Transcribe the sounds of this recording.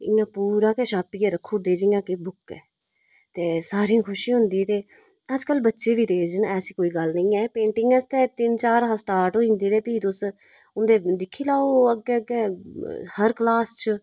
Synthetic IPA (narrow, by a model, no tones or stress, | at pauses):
ɪãːpuːɾaːkɛːʃaːpiːɛːɾəkʰːoːd̪eːd͡ʒɪ̃ːãːkebʊkɛ̰ː | t̪eːsaːɾiãːkʰʊʃiɦʊ̃nd̪iːt̪eː | əd͡ʒkəlbətːʃeːʋiːd̪eːd͡ʒənɛːsiːkoːiːɡəlnəĩːɛːpẽːɳʈɪŋɡɛst̪ɛːt̪ɪnt͡ʃaːɾɦasʈaːɾʈõɪ̃nd̪eːd̪eːpiːt̪ʊs | ʊnd̪eːd̪ɪkʰːiːlaːoːəɡɛːəɡɛːhəɾklaːst͡ʃ